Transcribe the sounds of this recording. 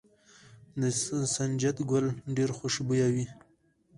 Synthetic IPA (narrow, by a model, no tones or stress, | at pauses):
d̪əsand͡ʒat̪ɡʊlɖeɾxʊʃbujawi